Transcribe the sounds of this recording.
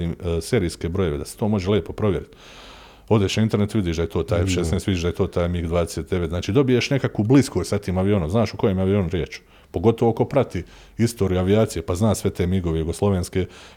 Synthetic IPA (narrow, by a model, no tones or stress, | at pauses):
imse̞ːɾiːske̞bɾo̞je̞ʋe̞d̪ase̥t̪o̞ːmo̞ʒelʲeːpo̞pɾo̞ʋje̞ɾit̪ | o̞d̪eʃnaint̪e̞ɾnet̪ʋid̪iːʃd̪ajet̪o̞ːt̪aːjʃesnest̪ʋid̪iʃd̪aet̪oːt̪aːjmiɡd̪ʋaːd̪eset̪d̪e̞ʋet̪zaːt͡ʃiːd̪o̞bijeʃne̞kakubliskosat̪iːmaʋio̞nomznaːʃuko̞jeːmaʋio̞nɾjeːt͡ʃu̥ | po̞ɡo̞t̪o̞ʋo̞ko̞pɾat̪i | ist̪oːɾjuaʋiaːt̪sijepaznaːsʋe̞t̪eːmiɡo̞ʋejuɡo̞slˠo̞ʋeːnske̞